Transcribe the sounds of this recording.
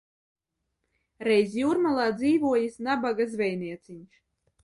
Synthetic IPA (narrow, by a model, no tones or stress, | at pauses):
ɾɛjzjuɾmalˠaːd̪ziːvuɔjisnabaɡazvʲɛjniɛt̪sʲiɲʃ